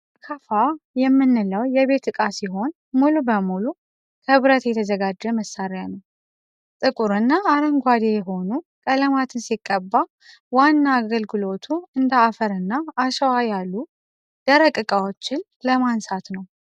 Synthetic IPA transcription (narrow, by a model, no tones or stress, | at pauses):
kʰəfajɛmːɨnːɨləwjɛβe̞t̪ʰɨkʼasiɦo̞n | mulubəmulu | kʰəβɾət̪jɛt̪ʰəzəɡad͡ʒːəməsaɾɪjanəw | t̪ʼɨkʼuɾɨnːaːɾəŋɡʷad̪ejɛɦo̞nukʼələmat̪ʰɨnsikʼːəbːa | wanːaːɡəlɡɨlo̞t̪ʰuɨnd̪əafəɾɨnːaːʃəwajalːu | d̪̥əɾəkʼɨkʼawot͡ʃːɪn | ləmansat̪nəw